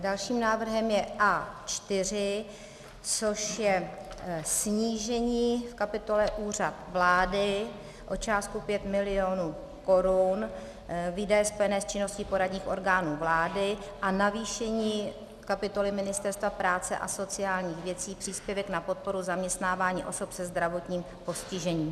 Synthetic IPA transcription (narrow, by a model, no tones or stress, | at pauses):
dalʃiːmnaːvr̩ɦɛmjɛʔaːt͡ʃt̪ɪr̝ɪ | t͡so̞ʃjɛ | sɲiːʒɛɲiːfkapɪt̪o̞lɛʔuːr̝at̪vlaːdɪ | ʔo̞t͡ʃaːskupjɛt̪mɪlɪonu | ko̞ɾun | viːdajɛspo̞jɛnɛːst͡ʃɪno̞sciːpo̞ɾadɲiːxʔo̞̰ɾɡaːnuːvlaːdɪ | ʔanaviːʃɛɲiː | kapɪt̪o̞lɪmɪnɪst̪ɛɾst̪vapɾaːt͡sɛ̰ʔa̰so̞t͡sɪjaːlɲiːxvjɛt͡siːpr̝̥iːspjɛvɛknapo̞t̪̚po̞ɾuzamɲɛst̪naːvaːɲḭːʔo̞sopsɛzd̪ɾavo̞t̪ɲiːm | po̞scɪʒɛɲiːm